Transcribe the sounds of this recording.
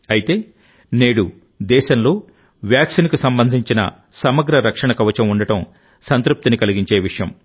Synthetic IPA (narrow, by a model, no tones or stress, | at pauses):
ɐjit̪e̞ː | ne̞ːɽu | d̪ɛːʃɐnlo̞ː | ʋjaːksinkusɐmbɐnd̪ʱiɲt͡ʃinɐ̰ | sɐmɐɡɾɐɾɐkʂɐɳɐkɐʋɐt͡ʃɐmuɳɖɐʈɐm | sɐnt̪ɾup̚t̪inikɐliɡiɲt͡ʃe̞ːʋiʂɐjɐm